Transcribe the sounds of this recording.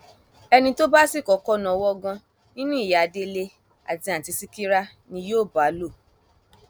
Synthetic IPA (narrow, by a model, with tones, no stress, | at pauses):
ɛ˧nĩ˧to˦ba˦si˦˨kɔ˨˦kɔ˦nã˨˧wɔ˦˧ɡã˧ | nĩ˦nũ˦i˦˨ja˨a˧de˧le˧ | a̰˨dĩ˧a˨ti˧si˦ki˦ɾa˦ | nĩ˧joː˦˨ba˨˦lo˦˨